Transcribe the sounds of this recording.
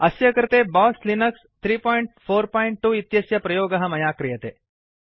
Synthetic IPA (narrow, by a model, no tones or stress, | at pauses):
ɐsjɐkɾt̪ebɔːslinɐkst̪ʰɾiːpɔːjɳʈ̚foːɾpɔːiɳʈ̚ʈːuːit̪jɐsjɐpɾɐjoːɡɐɦɐmɐjaːkɾijɐt̪ḛː